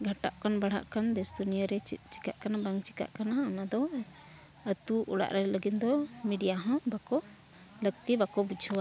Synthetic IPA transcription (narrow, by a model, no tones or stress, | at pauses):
ɡʱaʈa̰ʔkanbaɽ̤a̰ʔkand̪ɛsd̪unijɔɾɛt͡ʃi̥ka̰ʔkanabaŋt͡ʃi̥ka̰ʔkanaanad̪ɔ | ət̪uʔṵɽa̰ʔɾɛləɡit̪̚d̪ɔmiɖijaɦɔ̃bakɔ | ləɡ̚t̪ibakɔbud͡ʒʰʱuwa